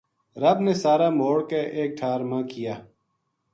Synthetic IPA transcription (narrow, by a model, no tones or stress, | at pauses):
ɾəbneːsaːɾaːmoːɽkeːʔeːk̚ʈʰaːɾmãːkɪjaː